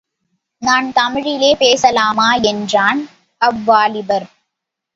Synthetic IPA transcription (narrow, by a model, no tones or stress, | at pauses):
naːnt̪ɐmɪɻɪleːpeːsɐlaːmaːɛndraːn | ɐʋːaːlɪbɐɾ